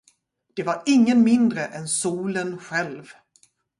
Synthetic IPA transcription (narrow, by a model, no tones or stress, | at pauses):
d̪̥ɛvaɾɪŋːənmɪnd̪ɾəʔɛnsuːlənɧɛlv